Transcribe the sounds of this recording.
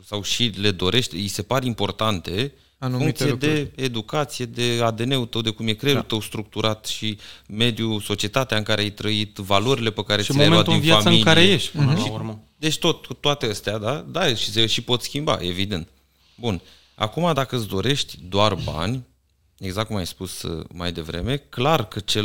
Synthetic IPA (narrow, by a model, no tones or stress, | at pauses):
sawʃile̞d̪o̞ɾʔe̞ʃt̪ʲise̞paɾimpo̞rt̪ant̪e̞ | anuuŋkt̪ied̪e̞ːd̪ukat̪sije̞d̪e̞ad̪e̞ne̞ut̪əwd̪e̞kumje̞kɾeut̪əwst̪ɾuk̚t̪uɾat̪ʃime̞d̪juso̞t͡ʃie̞t̪at̪eaɨŋkaɾe̞ajt̪ɾəit̪valoɾile̞pəkaɾeʃemoemead̪uinviaaməɨilkaiɾejeʃt̪ʲɨʃiuɾməd̪e̞t͡ʃʲt̪o̞t̪ut̪ːoat̪eəst̪ead̪ad̪aʃi̥seʃipo̞t̪skʲimba̰ʔe̞vid̪e̞nt̪ | bun | a̰kumad̪akəɨsd̪o̞ɾe̞ʃt̪ʲd̪oarba̰nʲ | e̞ɡzak̚ːumajspusma̰jd̪e̞vɾe̞̰me̞klarkət͡ʃe